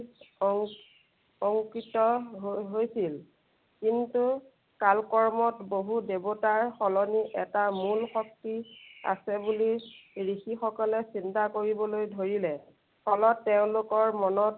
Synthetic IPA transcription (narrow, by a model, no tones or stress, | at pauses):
ɔŋkitɔɦɦojsil | kintu | kalkɔɹmɔtboɦudebotaɹxɔlɔniʔɛtamulxɔk̚tia̰sɛbuliɹixixɔkɔlɛsintakoɹibɔlojdʱoɹilɛ | xɔlɔtːɛʊ̃lʊkɔɹmɔnɔt